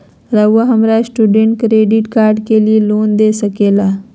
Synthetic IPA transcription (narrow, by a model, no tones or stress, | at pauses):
ɾəwːəɦəmɾajsʈuɖeɳʈ̚kɾeɖiʈkaɾɖkeliːlond̪esəkela